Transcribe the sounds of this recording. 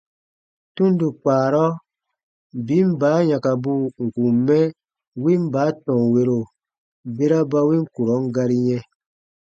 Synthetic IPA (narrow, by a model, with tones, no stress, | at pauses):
tũ˦ndu˨k͡paː˨ɾɔ˦ | bi˨˦m˦baː˨˦ɲã˨ka˨bu˦ŋ̩˨ku˨mːɛ˦ | wi˦m˦baː˨˦tɔ̃˨we˧ɾo˨ | be˦ɾa˦ba˧wi˦ŋ˦ku˨ɾɔ˨˦ŋ˦ɡa˧ɾi˦jɛ̃˧